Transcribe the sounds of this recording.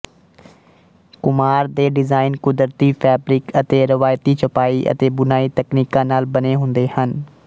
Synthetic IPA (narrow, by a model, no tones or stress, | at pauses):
kʊmaːɾd̪eːɖɪzaːɪnkʊd̪əɾt̪ipʰɛːbɾɪkət̪eɾɪʋaːjt̪it͡ʃɐpaːiʔə̰t̪eːbʊnaːit̪ɐkniːkãnaːlbɐneɦʊ̃nd̪ehən